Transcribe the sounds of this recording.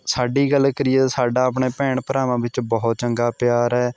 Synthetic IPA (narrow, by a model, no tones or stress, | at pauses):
saːɖiːɡəlːkəɾɪjeːsaːɖaːəp̬ɳeːpɛːɳpəɾaːmãːʋɪt͡ʃbɔːt̪̚t͡ʃəŋɡaːpɪjaːɾɛː